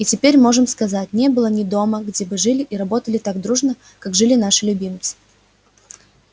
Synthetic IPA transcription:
itʲɪpʲeɾʲmo̞ʐɨmskɐzat̚ʲnʲe̞bɨlˠənʲɪd̪o̞məɡdʲebɨʐɨlʲɪʔiɾɐbo̞t̪əlʲɪt̪aɡd̪ɾuʐnə | kakʐɨlʲɪn̪aʂɨlʲʊbʲimt̪sɨ̥

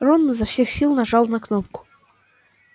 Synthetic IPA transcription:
ronːəzafsʲe̞xsʲilˠnaʐɑlˠnaknop̚kʊ̥

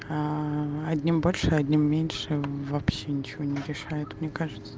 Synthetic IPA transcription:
aɐdʲnʲimbolʲʂɨɐdʲnʲimːʲenʲʂɨvɐpɕːenʲɪt͡ɕɪvonʲɪɾʲɪʂajʊt̪mnʲekaʐɨt̪sə̥

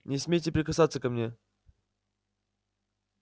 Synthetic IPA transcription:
nʲɪsʲmʲejtʲɪpɾʲɪkɐsat̪sːəkɐmnʲe̞

